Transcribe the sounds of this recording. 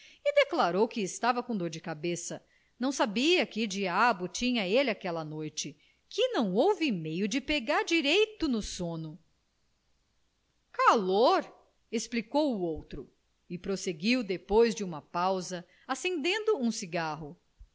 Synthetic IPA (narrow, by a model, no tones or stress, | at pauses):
ɪd̪eklaɾowkɪːst̪avɐkõd̪oɾd͡ʒɪkabesɐ | nɐ̃w̃sabiɐkɪd͡ʒiabʊt͡ʃĩɲɐelɪakɛlɐnojt͡ʃɪ | kɪnɐ̃w̃owvɪmejʊd͡ʒɪpeɡaɾd͡ʒiɾejt̪ʊnʊsõnʊ | kaloɾ | esplikowuowt̪ɾʊ | ɪpɾoseɡiwd̪epojzd͡ʒɪũmɐpawzɐ | asẽnd̪ẽnd̪ʊũsiɡaɦʊ